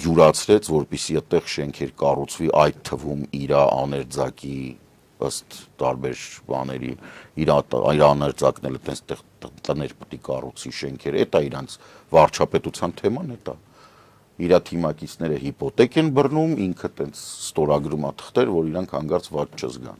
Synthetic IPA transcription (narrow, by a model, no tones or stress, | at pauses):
juɾɑt͡sʰɾɛt͡sʰvɔɾpisiɛt̪ɛʁʃɛŋkʰɛɾkɑrut͡sʰviʔɑjt̪ʰːəvumiɾɑʔɑ̰nɛɾd͡zɑki | ə̰st̪ːɑɾbɛɾbɑ̰nɛ̰ɾḭiɾɑiɾɑːnɛɾd͡zɑknɛlət̪ɛnt͡sʰt̪ɛʁ | t̪ənɛɾpə̥t̪ikɑrut͡sʰviʃɛŋkʰɛɾɛ̰t̪ɑiɾɑnt͡sʰ | vɑrt͡ʃʰɑpɛt̪ut͡sʰjɑnt̪ʰɛmɑnɛt̪ɑ | iɾɑt̪ʰimɑkit͡sʰnɛɾəhipɔt̪ɛkɛnbərnumiŋkʰət̪ɛnt͡sʰst̪ɔɾɑɡɾumɑt̪ʰə̥χt̪ɛɾvɔɾiɾɑŋkʰhɑŋɡɑɾt͡svɑt̪t͡ʃʰəzɡɑ̰n